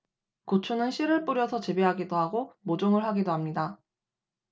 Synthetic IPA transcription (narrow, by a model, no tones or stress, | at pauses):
kot͡ɕʰunɯnɕʰiɾɯɭp͈uɾjʌsʰʌt͡ɕebeɦaɡidoɦaɡomod͡ʑoŋɯɭɦaɡidoɦamɲida